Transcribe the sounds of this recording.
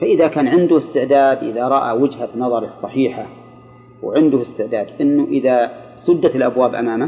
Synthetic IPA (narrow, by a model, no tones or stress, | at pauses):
faʔɪðakaːnʕɪnd̪ʊɪst̪ɪʕd̪aːd̪ʔɪ̰ðaɾˤɑʔa̰wɪd͡ʒhabnɑðˤɑɾˤsˤːɑħiːħa | wʕɪnd̪ʊhɪst̪ɪʕd̪aːd̪ʔɪnːʊʔɪðasˤʊd̪ːat̪ɪlʔabwaːbʔa̰maːma